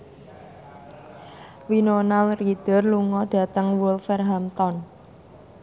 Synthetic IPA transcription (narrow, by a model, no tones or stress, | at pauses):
winonalrid̪̥ə̤rluŋɔd̪̥a̤t̪əŋwʊlfɛrɦamt̪ɔn